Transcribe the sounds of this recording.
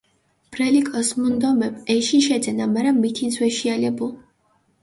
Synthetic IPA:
b̥ɾɛlikʼɔsmund̪ɔmɛbɛʃiʃɛd̪zɛnamaɾamːit̪ʰizwɛʃialɛbulˠ

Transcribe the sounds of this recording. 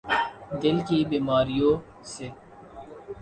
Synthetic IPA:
d̪ɪlkibiːmaːɾijõː | seː

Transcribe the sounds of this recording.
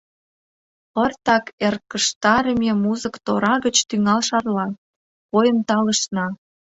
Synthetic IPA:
ə̆rt̪ɑkerkəʃt̪ɑɾə̆mʲemuzə̆kt̪oɾɑɣət͡ɕt̪yŋɑlʃɑrlɑ | pojənt̪ɑlə̆ʃnɑ

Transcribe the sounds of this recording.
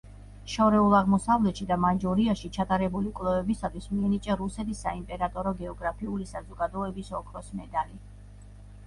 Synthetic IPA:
ʃɔɾɛulˠaʁmɔsavlɛt̪ʃid̪amand͡ʒɔɾiaʃit͡ʃʰat̪ʼaɾɛbulikʼwlˠɛvɛbisat̪ʰwismiɛnit͡ʃʼaɾusɛt̪ʰisːa̰impʼɛɾat̪ʼɔɾɔɡɛɔɡɾapʰiulisazɔɡad̪ɔɛbisɔkʰɾɔsmɛd̪ali

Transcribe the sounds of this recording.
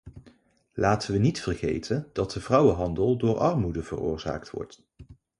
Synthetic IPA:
laːtʰənʋənitfərχḛjtʰənd̥ɑt̚dəvrʌwəɦɑndəlˠdʊːɹʔɑɹmudəvə̰rʊ̰ːɹza̰ːk̚tʋɔ̰ɹt

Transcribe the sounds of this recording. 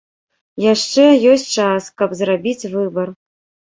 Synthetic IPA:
jaʂt͡ʂɛjɔsʲtʲt͡ʂaskɐpzrabʲit͡sʲvɨbɐr

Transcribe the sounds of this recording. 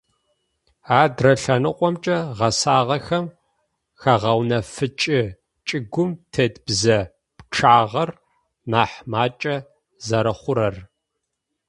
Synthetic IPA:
aːdrɐɬɐnɨqʷʼɔmt͡ʃʼɐʁɐsaːʁɐxɐm | xɐʁɐwnɐfɨt͡ʃʼɪ | t͡ʃʼɪɡʷʊmtʰɐdb̥zɐ | pʈ͡ʂʰaːʁɐr | naːħmaːt͡ʃʼɐ | zɐɾɐχʷʊɾɐr

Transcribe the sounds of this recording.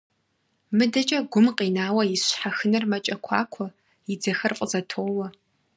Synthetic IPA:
mɨdɐt͡ʃʼɐɡʷʊmqʼiːnaːwɐjɪɕħaxɨnɨrmɐt͡ʃʼɐkʷʰɑ̰ːkʷʰɔ | jid͡zɐxɐrqʼəzɐtʰoːwɐ

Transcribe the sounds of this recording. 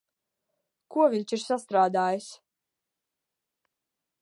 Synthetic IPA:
kuɔviɲʲt͡ʃiɾsast̪ɾaːd̪aːjis

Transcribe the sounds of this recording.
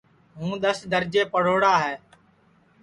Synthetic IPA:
ɦũːɗ̪əsd̪əɾd͡ʒeːpəɽ̤oːɽaːɦɛː

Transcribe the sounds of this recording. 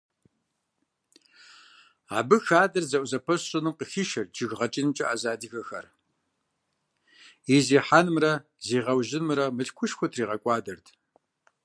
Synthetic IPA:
a̰ːbɨxaːdɐrzɐʔʷzɐpʰɐsɕʼɪnɨmqəxiʃɐrd͡ʒɪɣʁɐt͡ʃʼinmt͡ʃʼɐʔaːzaːdɨɣɐxɐ̰r | iziːħaːnɨmrɐ | ziːʁɐwʒɪnmɨɾɐmɨɬkʷʰʊʃxʷɔtʰriːʁɐkʷʼɑːdɐrtʰ

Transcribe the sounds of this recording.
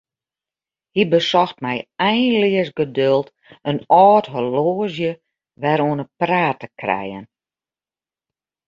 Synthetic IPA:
hibəsɔxtmɛjɛjnlɪəsɡədølˠt | ənɔːtɦoloːəzjə | ʋɛɾoənəpraːtəkrɛ̰jə̰n

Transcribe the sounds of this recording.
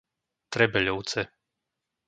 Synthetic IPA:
t̪ɾɛbɛʎɔʊt͡sɛ

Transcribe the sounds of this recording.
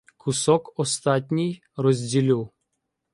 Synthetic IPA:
kʰusɔkɔst̪at̪ʲnʲij | rɔzʲdʲilʲilˠ

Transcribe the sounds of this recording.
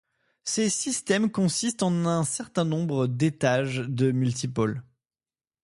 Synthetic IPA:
sesist̪ɛmkɔ̃sist̪ɑ̃nɛ̃sɛʁt̪ɛ̃nɔ̃bʁəd̪et̪aʒd̪əmylt̪̬ipɔl

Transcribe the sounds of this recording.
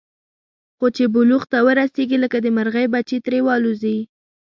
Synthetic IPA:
xot͡ʃebʊluɣt̪awəɾaseɡiləkad̪əmaɾɣajbat͡ʃet̪ɾewɑluzii

